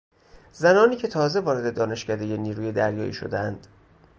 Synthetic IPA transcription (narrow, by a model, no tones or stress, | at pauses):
zænɒːniːcʰe̞t̪ʰɒːze̞vɒːɾe̞d̪e̞d̪ɒːne̞ʃcæd̪e̞jeniːɾuːjed̪æɾjɒ̰ːʔḭːʃo̞̰d̪eænd̪̥